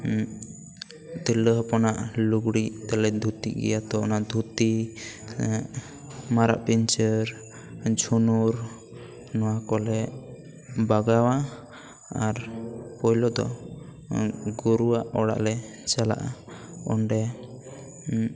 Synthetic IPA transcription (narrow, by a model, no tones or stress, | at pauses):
t̪iləɦpɔnaʔluɡɽit̪ɛlɛd̪ʱut̪ḭʔɡɛ̰jat̪ɔɔ̰naʔd̪ʱut̪i | maɾa̰ʔpiɲt͡ʃəɾ | d͡ʒʱunuɾ | nɔwakɔlɛ | baɡawa | aɾpɔjlɔd̪ɔ̰ | ɡuɾuwaʔɔɽa̰ʔlɛ | t͡ʃala̰ʔa̰ɔɳɖɛ